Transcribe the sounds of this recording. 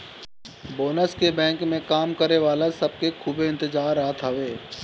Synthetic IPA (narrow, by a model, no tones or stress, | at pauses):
boːnəskebɛ̃ːŋkmẽkaːmkəɾeʋaːlasɐb̚kekʰuːbɪ̃nt̪ɪzaːɾaːt̪ɦəʋeː